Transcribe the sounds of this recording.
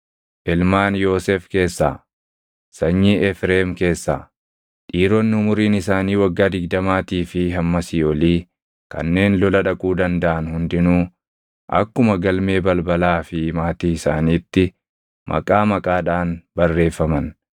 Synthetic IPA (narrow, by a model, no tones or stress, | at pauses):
ʔɛlmaːnjo̞ːsefke̞ːsːa̰ː | sɐɲːiːʔɛfɾeːmke̞ːsːa̰ː | ᶑiːɾɔnːɪʊmʊɾiːnɪsaːniːwɐɡːaːd̪ɪɡ̚d̪ɐmaːt̪iːfɪɦɐmːɐsɪɔliː | kɐ̰nːe̞ːnlɔlɐᶑɐkʼuːd̪ɐnd̪ɐʔɐnhʊnd̪ɪnuː | ʔɐ̰kːʊmɐɡɐlme̞ːbɐlbɐlaːfɪmaːt̪iːɪsaːniːt̪ːɪ | mʔɐ̰kʼaːmɐkʼaːᶑaːnbɐrːe̞ːfːɐmɐn